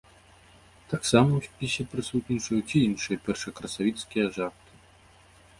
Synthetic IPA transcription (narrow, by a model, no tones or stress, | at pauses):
t̪aksamɐwsʲpʲisʲɛpɾɨsut̪nʲit͡ʂɐjut͡sʲiinʂɨjɐpʲɛrʂɐkɾɐsavʲit̪skʲijɐʐart̪ɨ̥